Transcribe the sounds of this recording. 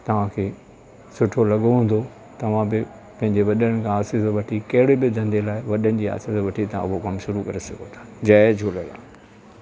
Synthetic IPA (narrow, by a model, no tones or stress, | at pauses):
t̪ɐʋ̤ãkʰeː | sʊʈʰolɐɠoɦũːn̆d̪o | t̪ɐʋ̤ãbɪ | pɐ̃ɦɪ̃ɲd͡ʑeʋɐɗəɽəɽ̃nɪ̆kʰãaːsɪsʋɐʈʰikɐɦɪɽebɪd̪ʱɐ̃nd̪elaːɪʋɐɗənɪ̆d͡ʑiːa̰ːsɪsʋɐʈʰit̪ɐã̰ʊɦokɐmʃʊɾukɐɾesɐɡʱot̪ʰḁːd͡ʑɐːd͡ʑʱuləlã̰ː